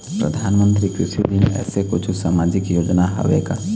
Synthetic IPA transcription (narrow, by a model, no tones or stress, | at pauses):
pɾə̰d̪ʱanmənt̪ɾikɾisid̪inɛ̰ːsekot͡ʃʰusamad͡ʒikjod͡ʒnaɦɔ̰ʋḛka